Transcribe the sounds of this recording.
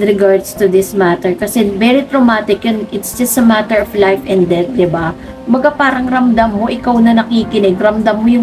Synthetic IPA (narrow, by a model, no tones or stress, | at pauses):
ɾɪɡaɹd̪st̪ʊd̪ɪsmat̪ɛɹkɐsɛvɛɾit̪ɾomaːt̪ɪkjʊnʔɪt̪sd͡ʒɐst̪ɐmat̪ɛɹɔflajfʔɛ̃nd̪ɛt̪̚d̪ɪba | kkʊmbɐɡapaːɾɐŋɾɐmd̪amːoʔɪkawnɐnɐkiːkɪnɪɡɾɐmd̪amːojʊŋ